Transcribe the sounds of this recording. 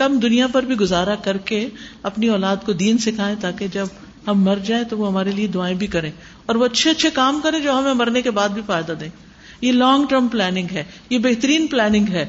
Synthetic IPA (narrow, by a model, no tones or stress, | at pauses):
kɐmd̪ʊnijapɐɾbʱiɡʊzaːɾakɐɾkeɐpniɔːlaːd̪kod̪iːnsɪkʰaːẽt̪aːked͡ʒɐb | ɦɐmːɐɾd͡ʒaːẽt̪oʋoɦɐmaːɾelied̪ʊaːẽbʱikɐɾẽː | ɔːɾʋoɐtːʃʰeɐtːʃʰekaːmkɐɾẽd͡ʒoːɦɐmẽmɐɾnekebaːd̪̚bʱifaːɪd̪ad̪ẽː | jelɔːŋɡʈəɾmplɛːnɪ̃ŋɡɦɛː | jebeːɦt̪əɾiːnplɛːnɪ̃ŋɡɦɛː